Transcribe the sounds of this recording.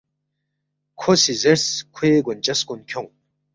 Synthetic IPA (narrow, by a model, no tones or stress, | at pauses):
kʷʰosizɨrskʷʰeːɡʷʊnt͡ʃʼɐskʷʼʊnkʲʰoŋ